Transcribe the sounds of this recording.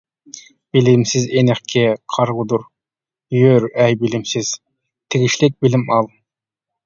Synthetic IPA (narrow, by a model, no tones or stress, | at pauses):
b̥ɪlɪmsɪzenɪχkʲʰɪqʰɑɾʁʊd̪uɾ | jøɾɛjbɪlɪmsɪz̥ | t̪ʰɪɡʲɪʃlɪk̚bɪlɪmɑlˠ